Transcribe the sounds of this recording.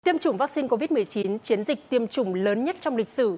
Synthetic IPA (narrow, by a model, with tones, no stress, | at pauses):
t̪i˧əmt͡ɕʊ˨˧˩ŋ͡mvaː˦˥k̚si˧nko˧vi˦˥t̚mɨ˨˩əjt͡ɕi˨˦nt͡ɕi˨˦ənzi˨˩k̟̚t̪i˧əmt͡ɕʊ˧˩ŋ͡mləː˨˦nɲə˦˥t̚t͡ɕɔ˧wŋ͡mlï˨˩k̟̚sɨ̰˧˩